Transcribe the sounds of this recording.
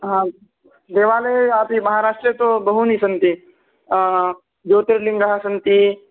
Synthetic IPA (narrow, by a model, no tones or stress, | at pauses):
ɦã | d̪eːʋaːleaːpimɐɦaɾaːʂʈɾət̪obɐɦunisɐnt̪i | d͡ʒoːt̪eɾlĩŋɡɐɦasɐnt̪i